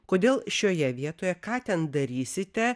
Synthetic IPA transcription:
koːd̪ʲeːlˠʃʲoːjɛʋʲiɛt̪oːjɛkɑːt̪ʲɛnd̪ɐɾʲiːsʲɪt̪ʲɛ

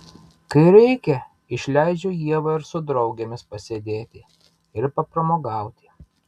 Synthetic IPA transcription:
kɐɪɾʲɛɪkʲɛ | ɪʃʲlʲæɪd͡ʒʲojiɛʋɐɪɾsʊd̪ɾɒʊɡʲemʲɪspɐsʲed̪ʲeːt̪ʲɪ | ɪɾpɐpɾɐmoːɡɑˑʊt̪ʲɪ

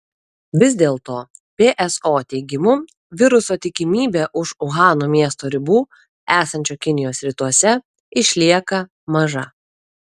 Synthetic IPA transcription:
ʋʲɪzʲd̪ʲeːlˠt̪oː | pʲeːʔɛsoːt̪ʲɛɪɡʲɪmʊ | ʋʲɪɾʊsoːt̪ʲɪkʲɪmʲiːbʲeʔʊʃʊɣɑːnuːmʲiɛst̪oːɾʲɪbuː | æːsɐnʲt͡ʃʲoːkʲɪnʲɪjoːsɾʲɪt̪uɔsʲɛ | ɪʃʲlʲiɛkɐ | mɐʒɐ

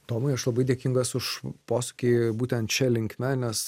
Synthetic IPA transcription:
t̪oːmɐɪɐʃlˠɐbɐɪd̪ʲeɛkʲiŋɡɐsʊʃpoːsʊ̥kʲiːbuːt̪ʲɛnt̪t͡ʃʲɛlʲɪŋʲkmʲɛnʲɛs

